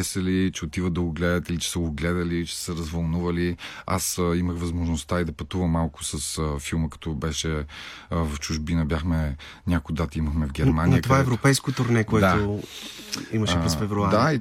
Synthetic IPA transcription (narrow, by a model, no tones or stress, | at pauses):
ɛsəlit͡ʃɛot̪ivəd̪ɐɡʊɡlɛd̪ət̪ilit͡ʃɛ̥səɡʊɡlɛd̪əlit͡ʃɛ̥səɾɐzvɐlˠnuvəlia̰siməxvɐzmoʒnost̪aid̪ɐpɐt̪uvəmːalˠkʊ̥sɐsfilˠməkɐ̥t̪ɔbɛʃɛ | vɐft͡ʃuʒbinəbjaxmɛ | nʲakojd̪at̪iməxmɛvɡʲɛɾmanijət̪ovaɛvɾopɛjskʊt̪ʊɾnɛkoɛd̪aʊ | iməʃɛpɾɛsfɛvɾuaɾd̪ai